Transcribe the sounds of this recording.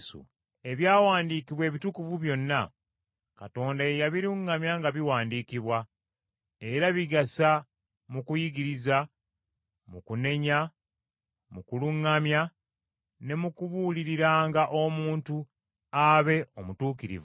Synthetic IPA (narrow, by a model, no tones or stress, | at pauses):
sṵ | e̞βjaːwaːndiːkiβwe̞ːβitukuvuβjo̞nːa | kato̞ːndaejaβiɾuŋːamjaŋɡaβiwaːndiːkiβwa | e̞ɾaβiɡasa | mukujiɡiɾiza | mukune̞ɲa | mukuluŋːamja | ne̞mukuβuliɾiɾaːŋɡaʔo̞muːntu | aβe̞omutuːkiɾḭv